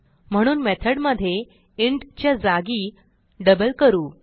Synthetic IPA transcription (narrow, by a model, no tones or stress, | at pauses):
m̤əɽ̃uːnmet̪ʰəɽməd̪ʱːje | iɳɖt͡ɕjad͡zaɡiː | ɖəbəlkəɾuː